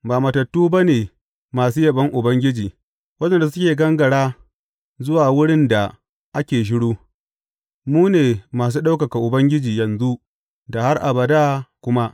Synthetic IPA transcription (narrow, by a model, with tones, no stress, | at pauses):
baː˨mɐ˨tɐ˨tːuː˦ba˦neː˨ | maː˨suː˦jɐ˨bɐ˦ŋʔʊ˨bɐ˦ŋɡʲɪ˦d͡ʒiː˨ | wɐ˦d͡ʒɛ˦˨n˨da˨sʊ˦kʲeː˨ɡɐ˦ŋɡɐ˨ɽaː˦ | zʊ˦waː˨wʊ˦ɽɪ˦nda˨ | ʔa˦kʲeː˨ʃ̬ɪ˦ɽuː˦ | muː˦neː˨maː˨s̬uː˦ɗa˦wka˨ka˨ʔʊ˨bɐ˦ŋɡʲɪ˦d͡ʒiː˨jɐ˨nzu˦ʔ | da˨ha˦rʔa˨bɐ˨daː˦kʷʊ˦ma˦ʔ